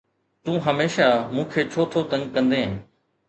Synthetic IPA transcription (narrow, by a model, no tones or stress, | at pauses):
t̪ũːɦəmeːʃamũːkʰeːt͡ʃʰoːt̪ʰot̪ə̃ŋɡkə̃nd̪ẽːɦ